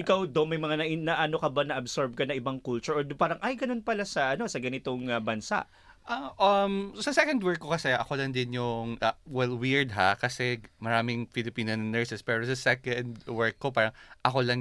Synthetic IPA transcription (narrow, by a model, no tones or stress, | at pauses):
ʔɪkawd̪omɐjmɐŋanɐʔɪnɐʔano̞kɐbanɐʔɐbsoɹb̚kɐnɐʔɪbaŋkult͡ʃuɹʔod̪paːɾɐŋʔɐjɡɐno̞npɐlasɐʔɐno̞sɐɡɐnɪt̪oŋɐbɐnsa̰ʔ | ʔɐʔɐmsɐsɛkɐnd̪wɛɹkːokɐsɛɐkolɐŋd̪ɪnjʊŋɐwɛlwɪɹd̪̚ɦakɐsɛmɐɾaːmɪŋfɪlɪpiːnɐnnːɛɹsɛspɛːɾosɐsɛkɐnd̪wɛɹkːopaːɾɐʔɐko̞lɐŋ